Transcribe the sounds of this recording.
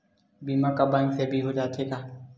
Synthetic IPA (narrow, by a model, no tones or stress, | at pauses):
biːmaːkaːbãːŋksebʱiːɦoːd͡ʒaːt̪ʰeːk̪aː